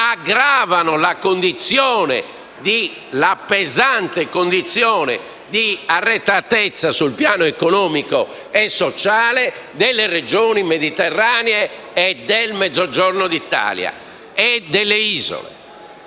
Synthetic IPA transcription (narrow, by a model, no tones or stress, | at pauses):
aɡɾaːvanolakond̪it̪sjɔːnḛ | d̪i | lapɛzant̪ekond̪it̪sːjɔːnɛ̰ | d̪iarːɛt̪ːat̪ɛt̪sːasulpjaːnoɛkonɔːmiko | ɛsːɔt͡ʃaːled̪ɛlːered͡ʒɔːnimed̪it̪ɛrːaːnɛː | d̪elmɛd̪zːɔd͡ʒɔɾnod̪it̪ːa̰ːlja̰ | ɛd̪ɛlːeiːzo̰lḛ